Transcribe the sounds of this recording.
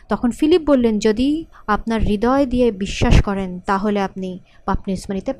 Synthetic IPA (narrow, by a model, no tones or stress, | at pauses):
t̪ɔkʰonfilip̚bolːend͡ʑod̪iapnaɾːid̪ɔed̪ijebiʃːaʃkɔɾent̪aɦoleap̚ni | papnismanit̪ep